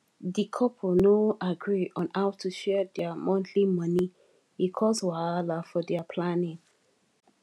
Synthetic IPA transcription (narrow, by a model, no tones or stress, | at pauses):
dikʰɔpʰonoʔaɡɹiɔ̃nhaʊtʰuʃɛdɛamɔ̃ntʰlimʌni | ikʰɔswaalafɔdɛapʰlanɪ̃ŋ